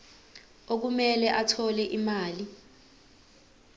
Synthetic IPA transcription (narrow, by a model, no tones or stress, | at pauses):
ok̬umɛlɛʔatʰɔlɛʔimaːli